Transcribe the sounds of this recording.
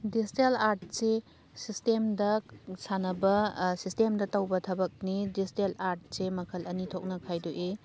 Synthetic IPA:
dizitelaɾt̚se | sistemdɐsanɐbɐsistemdɐtɐwbɐtʰɐbɐk̚nidisitelaɾt̚semɐkʰɐlʔɐnitʰok̚nɐkʰajdoʔe

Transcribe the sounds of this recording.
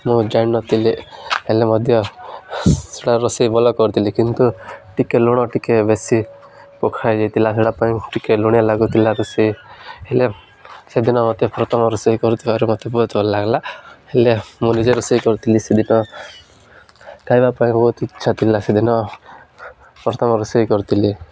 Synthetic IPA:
mũd͡ʒannɔt̪iliɦelemɔd̪ʱjɔ | seɽaɾɔsejbɔlɔkɔɾt̪ʰilikint̪uʈikeluɽ̃ɔʈikebesi | pɔkʰajd͡ʒejt̪ʰilaseɽapaĩʈikeluɽ̃ijalaɡut̪ʰilaɾusiɦele | sed̪inɔmɔt̪epɔɾɔt̪ɔmɔɾɔsɔikɔɾut̪ʰiaɾumɔt̪ʰebɔɦut̪bɔlɔlaɡlahelemunid͡ʒɔɾɔsəjkɔɾt̪ʰilised̪inɔ | kajbapaĩbɔɦut̪itːʃʰat̪ilased̪inɔ | pɾɔt̪ʰɔmɔɾɔsɔjkɔɾt̪ʰili

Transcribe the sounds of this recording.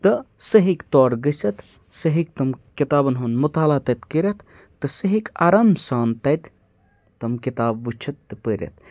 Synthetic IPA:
t̪ɨsɐɦikt̪ɔːɾɡɐsɐt̪ | sɐɦik̚t̪ɐmkit̪aːbɐnɦonmut̪aːlat̪ɐt̪kəɾʲɐt̪ʰː | ɨsɐɦika̰ɾɐmsaːnt̪ɐt̪ | t̪ɐmkit̪aːbːut͡ʃʰɐt̪ːɨpəɾʲɐ̰t̪̚ʰ

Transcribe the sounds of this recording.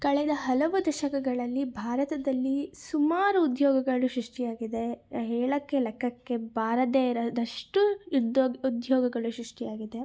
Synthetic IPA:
kɐɭɛd̪ɐɦɐlɐʋud̪ɐʃɐkɐɡɐɭɐlːibʱaːɾɐt̪ɐd̪ɐlːisumaːɾuːd̪jɔːɡɐɡɐɭuʃɾuʂʈijaːɡid̪e̞ɦeːɭɐkːelɛkʰːɐkːe̞bʱaːɾɐd̪eːɾɐd̪ɐʂʈud̪ud̪jɔːɡɐɡɐɭuʃɾuʂʈijaːɡid̪e̞

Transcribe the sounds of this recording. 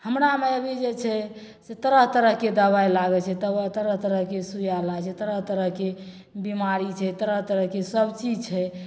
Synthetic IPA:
həmɾameəbʱid͡ʒet͡ʃʰɛ | set̪əɾəɦt̪əɾəɦked̪əβajlaɡɛt͡ʃʰɛt̪əbət̪əɾəɦt̪əɾəɦkesujalat͡ʃʰɛt̪əɾəɦt̪əɾəɦke | bimaɾit͡ʃʰɛt̪əɾəɦt̪əɾəɦkesəbt͡ʃid͡ʒt͡ʃʰɛ

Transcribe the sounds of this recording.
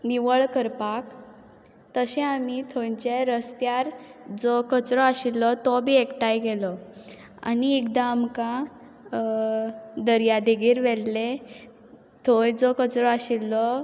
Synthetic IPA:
niʋəɭkəɾpak | t̪əɕɛ̃amit̪ʰojt͡ɕeɾəst̪jaɾd͡zɔkət͡sɾɔaɕilːɔt̪ɔbʱiːekʈajɡelɔ | a̰niekd̪aːmkã | d̪əɾjad̪eɡiːɾʋɛlle | t̪ʰojd͡zɔkət͡sɾɔaɕilːɔ

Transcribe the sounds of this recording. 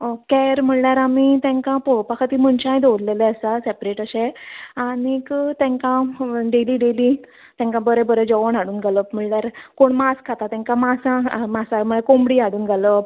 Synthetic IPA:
okɛɾm̤əɳljaɾamit̪ɛ̃ŋkãpɔɭpakʰat̪iːm̤əɳt͡ɕãjd̪oɾleleəsasepɾeʈəɕẽanikt̪ɛ̃ŋkãɖeliːɖeli | t̪ɛ̃ŋkãbəɾɛbəɾɛd͡ʑɔʋəɳaɽuːnɡaləm̤əɳɭjaɾkoɳmaskʰat̪at̪ɛ̃ŋkãmasãmasam̤əɭakombɽiːaɽuːnɡalə

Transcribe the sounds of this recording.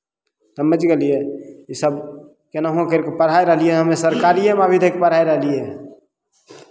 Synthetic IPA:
t̪əməd͡ʒɡelijeisəb | kenaɦõkeɾkepəɽ̤ajɾəɦlieɦəmesəɾkaliemabʱid̪ʱekepəɽ̤aeɾəɦlije

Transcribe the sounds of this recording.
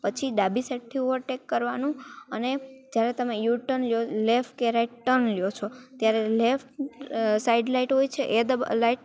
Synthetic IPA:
pət͡ʃʰiɖabiseʈ̚t̪ʰioʋəɾʈekːəɾʋanũəned͡ʒjaɾet̪əmejuʈənljolefʈkeɾaiʈʈənljot͡ʃʰot̪jaɾelefʈsaiɖlaiʈɦojt͡ʃʰeʔed̪əlaiʈ̚

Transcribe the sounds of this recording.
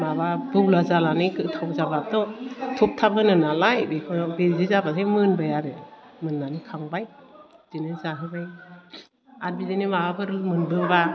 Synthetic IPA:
maβabɯwlazalanikɯtʰawzabap̚tɔtʰɔp̚tʰabɯnɯnalajbekʰɔbezizabasʰajmɯnbajaɾɯ | mɯnːanikʰaŋbaj | d̥inɯzaɦɯbaj | at̚bidinimababɯɾɯlmɯnbɯba

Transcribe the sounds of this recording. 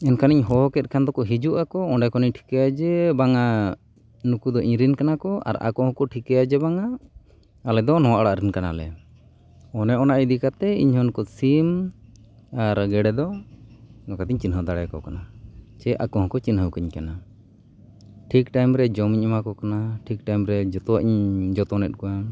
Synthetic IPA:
ɛnkʰaniɲɦɔɦɔkɛt̪̚kʰand̪ɔkɔɦid͡ʒuʔakɔɔɳɖɛkɔniɲʈʰi̥kɛjad͡ʒɛbaŋa | nukud̪ɔʔĩɾinkanakɔʔa̰ɾa̰kɔhɔ̃kɔʈʰikɛjad͡ʒɛbaŋaː | lɛd̪ɔnɔwaʔaɽaʔɾɛnkana̰lɛ̰ | ɔnɛʔɔnaʔid̪ikat̪ɛḭɲɦɔnkɔsim | aɾɡɛɽɛd̪ɔ | nɔkat̪iɲt͡ʃinɦəwd̪aɽɛkɔkanat͡ʃɛʔa̰kɔɦɔ̃kɔt͡ʃinɦəwkiɲkana | ʈʰikʈajmɾɛd͡ʒɔmiɲɔmakɔkanaʈʰik̚ʈajmɾɛd͡ʒɔt̪ɔwaʔiɲd͡ʒɔt̪ɔnɛt̪̚kɔwa

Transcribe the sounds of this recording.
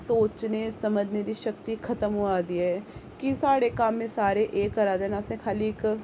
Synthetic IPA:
soːt͡ʃneːsəməd͡ʒned̪iːʃəkt̪ikʰət̪əmɦoaːd̪iːɦɛːkisaːɽeːkamːẽsaːɾeʔeːkːəɾaːd̪eːnasẽːkʰaːliɪk

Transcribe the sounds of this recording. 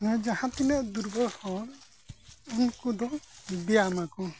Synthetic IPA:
nɔjd͡ʒahãt̪inɛʔd̪uɾbʱɔɾhɔɾ | unkɔd̪ɔbɛjamakɔ

